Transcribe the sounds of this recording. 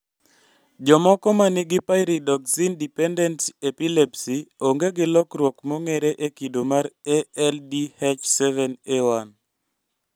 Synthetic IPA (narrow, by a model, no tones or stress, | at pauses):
d͡ʒɔmɔkɔmanɪɡɪpaɪɾidɔksindipɛndɛntepilepsioŋɡeɡɪlɔkɾwɔkmoŋeɾeʔekidomaɾeɛldihet͡ʃsɛvɛnewan